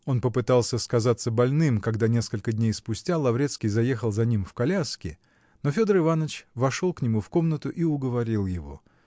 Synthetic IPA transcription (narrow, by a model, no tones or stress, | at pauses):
o̞npəpɨt̪alˠsʲəskɐzat̪sːəbɐlʲnɨmkɐɡd̪anʲe̞skəlʲkəd̪ʲnʲejspʊsʲtʲalˠɐvɾʲe̞t̪skʲijzɐje̞xəlˠzɐnʲimfkɐlʲaskʲɪ | no̞fʲo̞d̪əɾɨvanət͡ɕvɐʂo̞lˠknʲɪmufko̞mnət̪ʊʔiʊɡəvɐɾʲilˠjɪvo̞̰